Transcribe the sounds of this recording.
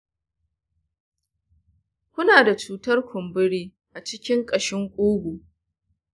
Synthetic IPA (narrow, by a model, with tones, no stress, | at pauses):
kʷʊ˦naː˨da˨t͡ʃuː˦tɐ˦rkʷʰʊ˨mbʊ˦ɽiː˦ | ʔa˨t͡ʃɪ˦kʲɪ˦ŋkʼɐ˨ʃɪ˦ŋkʷʼuː˦ɡʷu˨